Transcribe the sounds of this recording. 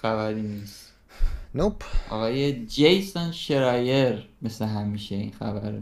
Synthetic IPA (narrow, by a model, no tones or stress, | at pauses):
xæβæɾiːniːst̪ | nopʰʔɒ̰ɣɒːjed͡ʒejsonʃeɾɒːjeɾme̞sleɦæmiːʃeḭnxæ̰bæ̰ɾ̰